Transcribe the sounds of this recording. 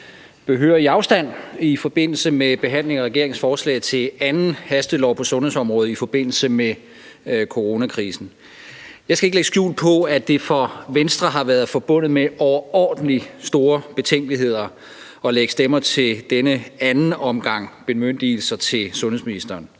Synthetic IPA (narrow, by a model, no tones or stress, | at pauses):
b̥e̝ɦø̰ːɐiɑ̈ʊsd̥æn̰ifɒ̽b̥e̝n̰l̩səmeb̥e̝ɦæn̰le̝ŋɒʁɛɡ̥e̝ɐeŋsfɒːslɛ̰ɪt͡sʰe̝ænn̩hæsd̥əlɒ̰ʊ̰pʰɒ̽sɔ̽nhe̝̰sɒ̽mʁɔ̽ːð̞̩ˠifɒ̽b̥e̝n̰l̩səme | kʰo̝ʁo̝ːnækʰʁiːsn̩ | jɑ̈ɪsɡ̥æe̝ɡ̥əleɡ̥sɡ̥jṵːlpʰɒ̽æd̥e̝fɒ̽ʋensd̥ʁɑɦɑ̈ʋæɐð̞ˠfɒ̽b̥ɔ̽n̰ð̩ˠmeʔɒʊɐɒ̰ːd̥n̩lisd̥o̝ːɐb̥e̝t͡sʰeŋ̰ɡ̥liɦe̝ð̞̰ˠɐ | ɒ̽leɡ̥əsd̥emɐt͡sʰe̝ld̥enəænn̩ɒ̽mɡ̥ɑ̈ŋ̰b̥e̝møn̰d̥il̩sɐt͡sʰe̝lsɔ̽nhesminisd̥ɐːn